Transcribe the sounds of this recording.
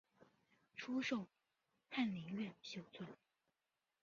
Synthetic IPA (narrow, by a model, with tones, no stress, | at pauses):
ʈ͡ʂʰu˥ʂo˥˩ʊ | pʰa˥˩nli˧˥ŋɥɛ˥˩nɕjo˥ʊt͡sʰwa˥˩n